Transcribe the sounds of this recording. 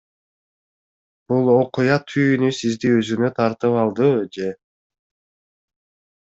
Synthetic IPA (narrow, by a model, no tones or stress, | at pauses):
b̥ulˠo̞qujɑt̪ʰyjnysizd̪iøzynø̞t̪ʰɑɾt̪ɯpɑlˠd̪ɯd͡ʒe̞